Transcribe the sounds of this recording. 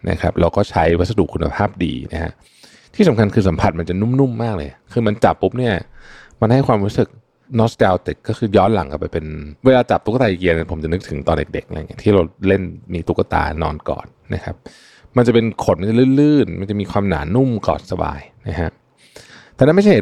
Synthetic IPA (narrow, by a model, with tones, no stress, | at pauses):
nʔa̰˦˥kʰa˦˥p̚ɾɛ˧˥wkɔː˥˩t͡ɕʰa˦˥jwa˦t̪̚sa˧du˨˩kʰːu˧na̰˧pʰaː˥˩p̚dḭː˧na̰˦˥kʰa̰˦˥ʔ | t̪ʰiː˥˩sa˩˦mkʰa˧nkʰɯː˧sa˩˦mpʰa˧˩t̪̚ma˧nt͡ɕa˨˩nu˥˩mnu˥˩mːaː˥˩k̚lɤː˧jkʰɯː˧ma˧nt͡ɕa˨˩pːu˦˥p̚ni˥˩ɐ | ma˧nha˥˩jkʰwaː˧mɾuː˦˥sɯ˨˩k̚ | nɔ˦˥stɛː˧wt̪i˨˩kːɔː˥˩xɯː˧jɔː˦˥nla̰˨˩˦ŋka˥˩pa˧jpe˧nweː˧laː˧t͡ɕa˨˩p̚t̪ʰu˦˥ka˧t̪aː˧˨i˨˩ki˧ni˥˩pʰo˩˦mt͡ɕa˨˩nɯ˦˥k̚t̪ʰɯ˩˦ŋt̪ɔː˧nde˨˩e˨˩k̚ʔa̰˧ŋi˦˥t̪ʰiː˥˩ɾa˧wle˥˩nmiː˧t̪u˦˥kːa˧t̪a̰ː˧nɔː˧nkɔ̰ː˨˩n̚ | na̰˦˥kʰa˦˥p̚ | ma˧nt͡ɕa˨˩pe˧nkʰo˨˩˦nma˧˩t͡ɕa˨˩lɯː˥˩˨lɯː˥˩nma̰˧nt͡ɕa˨˩ʔmiː˧kʰwaː˧mna̰ː˩˦nu˥˩mkɔ̰ː˨˩nsa˧ba̰ː˧jna˦˥kʰa˦˥ʔ | t̪ɛː˨n˦˥˩m˥˩t͡ɕʰa˩h